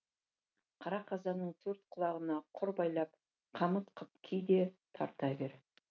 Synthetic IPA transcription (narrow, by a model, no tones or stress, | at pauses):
qʰɑɾɑqʰɑzɑnəɴt̪ʰɵɾt̪̚qʰʊlˠɑʁənɑqʰʊɾbɑjlˠɑp̚ | qʰɑmət̪qʰəpkʲʰijd̪e̞t̪ʰɑ̰ɾt̪ɑbeɾ